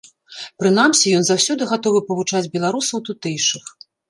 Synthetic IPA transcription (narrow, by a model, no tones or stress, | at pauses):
pɾɨn̪amsʲijɔnzawsʲɔd̪ɨɣat̪ɔvɨpɐvut͡ʂad͡zʲbʲɛlˠaɾusɐwt̪ut̪ɛjʂɨx